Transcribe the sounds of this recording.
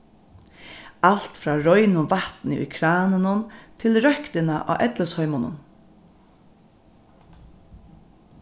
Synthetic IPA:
al̥t̪fɾɑːɾɔʏnʊʋaht̪nɪʊ̰jkʰɾaːnənʊnt̪ʰɪlɾœhkt̪ɪnaʔa̰ːʔɛt̪ləshɔʏmʊnʊ̰n

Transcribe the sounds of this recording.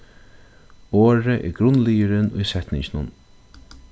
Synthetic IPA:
oːɾəʔɛ̰ːɾɡɾʊnlijəɾɪnʊjsɛt̪nɪɲt͡ɕnʊ̰n

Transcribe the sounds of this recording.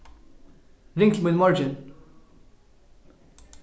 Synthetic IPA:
ɾɪ̃ŋklmɪd̪mɔɾd͡ʒɪ̃n

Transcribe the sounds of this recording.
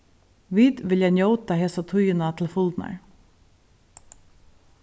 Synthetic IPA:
ʋiːd̪ʋɪljanjowt̪aɦeːsat̪ʰʊjɪnat̪ʰɪlfʊlt̪na̰ɹ

